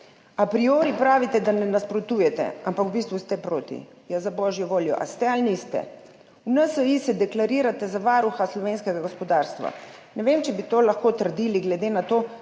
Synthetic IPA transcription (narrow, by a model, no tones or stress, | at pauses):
apɾioːɾipɾaːʋit̪ɛd̪anɛnaspɾɔt̪uːjɛt̪ɛ̰ampakubist̪ʋust̪ɛpɾoːt̪ḭ | jazabɔʒjɔʋoːljɔ̰ʔa̰st̪ɛalniːst̪ɛ̰ | unəsəisɛd̪ɛklaɾiːɾat̪ɛzaʋaɾuxaslɔʋeːnskɛɡaɡospɔd̪aɾst̪ʋa̰nɛʋemt͡ʃɛbit̪oːlaxkoːt̪əɾd̪iːliɡlɛd̪enat̪oː